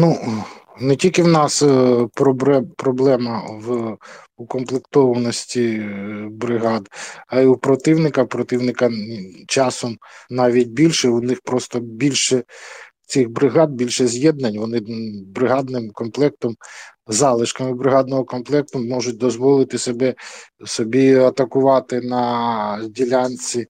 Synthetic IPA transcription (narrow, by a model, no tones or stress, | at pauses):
nu | nɛtʲilʲkɪwnɑspɾɔbɛpɾɔblˠɛmɐw | ukɔmplˠɪkt̪ɔʋɐnɔsʲtʲi | bɾɪɦɑd̪ɐiupɾɔt̪ɪwnɪkɐpɾɔt̪ɪwnɪkɐt͡ʃɑsɔmnɑʋʲit̚ʲbʲilʲʃɛʊnɪxpɾɔst̪ɔbʲilʲʃɛ | t͡sʲixbɾɪɦɑd̪̚bʲilʲʃɛzʲjɛd̪nɐnʲʋɔnɪbɾɪɦɑd̪nɪmkɔmplˠɛk̚t̪ɔm | zɑlˠɪʃkɐmɪbɾɪɦɑd̪nɔɦɔkɔmplˠɛk̚t̪ʊmɔʒʊt̚ʲd̪ɔzʋɔlˠɪt̪ɪsɔbɛsɔbʲiɐt̪ɐkʊʋɑt̪ɪnɐdʲilʲɑnt͡sʲi